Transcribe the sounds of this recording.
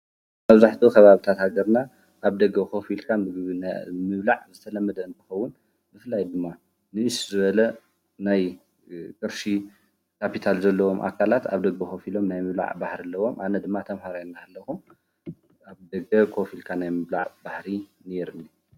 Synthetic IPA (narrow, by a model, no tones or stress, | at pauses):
maβzaħt̪ʰukʰɐβaβit̪ʰat̪haɡɐɾna | ʔaβd̪ɐɡːɐkʰo̞filkʰaɨɡβnmɨβlaʕzɨt̪ʰɐlɐmːɐd̪ɐɨnt̪ʰɨ̥xɐwːʊn | mɨfɨlajd̪ɨmːa | nɨɨʃzɨβɐlɐ | naj | kʼɨɾʃi | kʰapit̪ʰalzɐlːɐwo̞mʔa̰kʰːalat̪a̰βd̪ɐɡbɐxo̞filo̞mnajmɨβla̰ʕba̰hɾɐlːɐwo̞mʔanɐd̪ɨmːat̪ʰɐmhaɾajnːahalːɐxu | aβd̪ɐɡɐkʰo̞filkʰanajmɨβla̰ʕb̥aħɾi | neɾɨnːi